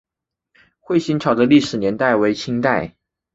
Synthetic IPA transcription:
xwe˥˩ɪɕi˥nt͡ɕʰjɑ˨˩ʊd̪ə˦li˥˩ʂɻ̩˨˩njɛ˧˥nt̪a˥˩ɪwe˧˥ɪt͡ɕʰi˥ŋt̪a˥˩ɪ

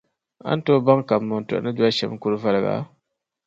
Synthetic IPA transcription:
a̰˦n˦to˦ba˦ŋka˨bmːʊ˨n˨tṵ˨ʔa̰˨nɨ˦du˦a˦ʃɛ̰˨m˦ku˦ɾɨ˦va˦lɨ˨ɡa̰˨˦

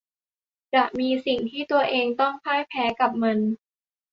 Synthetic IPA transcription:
t͡ɕa˨˩ʔmiː˧si˨˩ŋt̪ʰiː˥˩t̪u˧ɐʔeː˧ŋt̪ɔ˥˩ŋpʰaː˥˩jpʰɛː˨˦˥ka˨˩p̚ma˧n

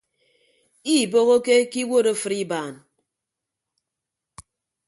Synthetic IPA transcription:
i˦˨bo˦ɣo˦ke˦ki˦wo˦˨ɾo˦˨fɨ˨ɾi˦baː˨n

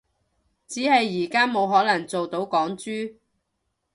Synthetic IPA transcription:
t͡siː˨˥hɐ˨jːiː˨˩kaː˥mo˨˧wɦɔː˨˥lɐ˨˩ŋt͡so˨wt̪o˨˥wkɔː˨˥ŋt͡ʃyː˥

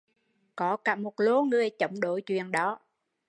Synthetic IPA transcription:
kɔ˨˦kaː˧˩mo˨˩t̚lo˨˦ŋɨ˨˩əjt͡ɕə˧˩wŋ͡mɗo˧˩˦jt͡ɕwḭ˨ənɗɔ˨˦

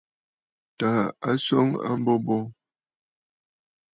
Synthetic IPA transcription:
ta˨a˦sɔ˦ŋa̰˦m˦bɔ˦bɔ˦

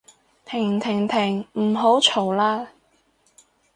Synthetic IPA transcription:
t̪ʰɪ˨˩ŋt̪ʰɪ˨˩ŋt̪ʰɪ˨˩ŋm̩˨˩ɦo˨˥wt͡ʃʰo˨˩wlaː˥

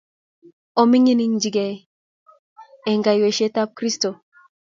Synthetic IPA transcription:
o˨mi˦ŋi˦ni˦ŋd͡ʒi˨ɡe˨ | e˨ŋɡa˨jwe˨ʃe˦ta˦p̚kɾi˦sto˨

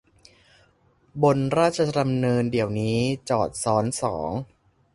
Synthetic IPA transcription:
bo˧nɾaː˥˩t̪̚t͡ɕʰa˧da˧mnɤː˧ndi˨˩əwniː˦˥t͡ɕɔː˨˩t̪̚sɔː˦˥nsɔ̰ː˩˦ŋ

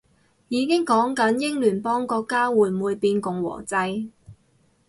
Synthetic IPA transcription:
jiː˨˧kɪ˥ŋkɔː˨˥ŋkɐ˨˥njɪ˥ŋlyː˨˩npɔː˥ŋkɔː˧kːaː˥wuː˨˩jmuː˨jpiː˧nkʊ˨ŋwɔ̰ː˨˩t͡sɐ˧j

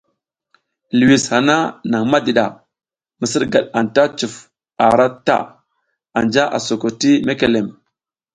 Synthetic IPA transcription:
lu˨wi˨sha˨na˦na˨ŋma˦di˨ɗa˨ | mə˨sə˦ɾɡa˨ɗa˨nta˦t͡ʃu˨f | a˨ɾa˦ta̰˦ | a˨nd͡ʒa˦ʔa̰˨so˨ko˨ti˦me˦ke˨le˨m

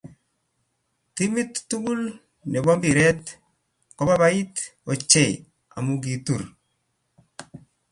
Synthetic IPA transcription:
t̪i˦mi˦t̪ːu˦ɡu˦l | ne˨bɔ˦mbi˨ɾɛ˦t̪ | kɔ˦ba˦ba˦i˦t̪o˨t͡ʃe˨ | a̰˨mu˦ɡi˨t̪u˨ɾ

